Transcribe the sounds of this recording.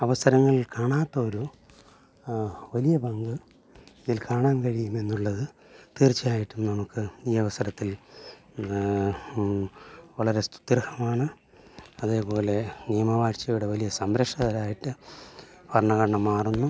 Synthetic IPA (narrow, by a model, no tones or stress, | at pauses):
ɐʋɐsɐɾɐŋːɐɭilkaːɳaːt̪ːɐoɾu | ʋɐlijɐbɐŋɡɨ | iðilkaːɳaːnkɐɻijume̞nːuɭːɐðɨ | t̪eːrt͡ɕːijaːjiʈːumnɐmukːɨiːɐʋɐsɐɾɐt̪ːil | ʋɐɭɐɾe̞st̪u̥t̪ːɾɐhɐmaːɳɨ | ɐðe̞ːpo̞ːle̞nijɐmɐʋaːʂt͡ɕːɐjuɽe̞ʋɐlijɐsɐmbɾɐʂɐðɐlaːjiʈːɨ | pɐrɳɐɣɐɾɐɳɐmːaːrunːu